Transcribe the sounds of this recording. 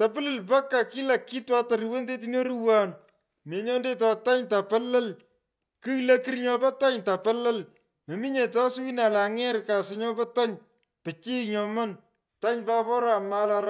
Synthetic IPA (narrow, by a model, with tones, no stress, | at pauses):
ta˨pɪ˦lɨ˨lpa˦kːa˨ki˦la˨kːi˦twa˦ta˨ɾi˨we˦nde˦t̬i˦njo˦ɾuwa˨n | me˨ɲɔ˦nde˦tɔ˧ta˦ɲta˨pɐ˦lɐ˦l | kɨ˦lɐ˦ki˦ɾɲɔ˦pɔ˦ta˦ɲta˨pɐ˦lɐ˦l | me˨mi˦ɲe˨tɔ˦swi˦na˨la˨ŋɛ˦rka˨sɪ˨ɲɔ˦bɔ˦ta˦ɲ | pɨ˨t͡ʃi˦ɲɔ˨mɐ˦n | ta˦ɲpa˦pɔ˦ɾa˨ma˦la˧ɾa˦